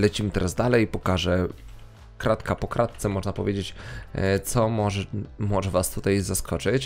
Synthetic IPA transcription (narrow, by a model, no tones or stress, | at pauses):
lɛt͡ɕimɘt̪ɛɾʔazd̪alɛjipɔkaʐɛ | kɾat̪kapɔkɾʔat̪̚t̪sɛmɔʐnapɔvʲjed͡ʑet͡ɕt̪sɔmɔʐmɔʐɛvast̪ut̪ajzaskʰɔt͡ʂɘt͡ɕ